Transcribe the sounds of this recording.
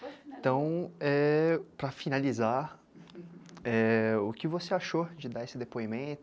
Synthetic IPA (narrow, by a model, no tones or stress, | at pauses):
ẽt̪ɐ̃w̃ɛpɾɐfinaliza | ɛʊkɪvoseaʃod͡ʒɪd̪aesɪd̪epoimẽt̪ʊ